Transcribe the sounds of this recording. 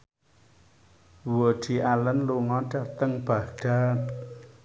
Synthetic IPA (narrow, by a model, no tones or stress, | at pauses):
wod̥i̤ʔalənluŋɔɖ̥a̤t̪əŋb̥a̤ɖ̥at